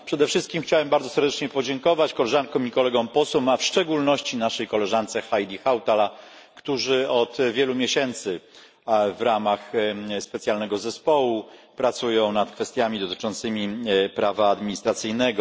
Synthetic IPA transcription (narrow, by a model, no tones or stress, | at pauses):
pʂɛd̪ɛfʂɘst̪kʲimxt͡ɕawɛmbaɾd̪ɔsɛɾd̪ɛt͡ʂɲɛpɔd͡ʑɛŋkɔvat͡ɕkɔlɛʐankɔ̃mikɔlɛɡɔ̃w̃pɔswɛmafʂt͡ʂɛɡulnɔɕt͡ɕinaʂɛjkɔlɛʐant̪sɛxajd̪ʲixawt̪alakt̪uʐɘɔt̪vʲjɛlumʲjeɕɛnt̪sɘ | vɾamaxspɛt̪sʲjalnɛɡɔzɛspɔwupɾat̪sujɔ̃w̃nat̪kfɛst̪ʲjamʲid̪ɔt̪ɘ̥t͡ʂɔnt̪sɘmʲipɾavaːd̪mʲiɲist̪ɾat̪sɘjnɛɡɔ